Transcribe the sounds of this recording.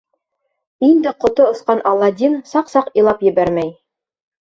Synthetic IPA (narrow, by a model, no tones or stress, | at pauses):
ind̪ɘqŏt̪oŏsqɑnʔɑlˠːɑd̪ʲinsɑqsɑqilˠɑpjɘ̆βæɾmæj